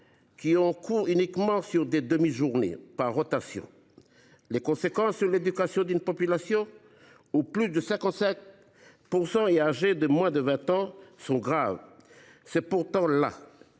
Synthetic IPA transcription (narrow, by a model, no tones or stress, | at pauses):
kʲiɔ̃kuʁynikmɑ̃syʁd̪ed̪əmiʒuʁnḛpaʁːɔt̪asjɔ̰̃ | lekɔ̃sekɑ̃sːyʁled̪ykasjɔ̃d̪ynpɔpylasjɔ̃ | uplysd̪əsɛ̃kɑ̃t̪sɛ̃k̚ | puʁsɑ̃eaʒed̪əmwɛ̃d̪əvɛ̃t̪ɑ̃sɔ̃ɡʁav | sɛpuʁt̪ɑ̃la̰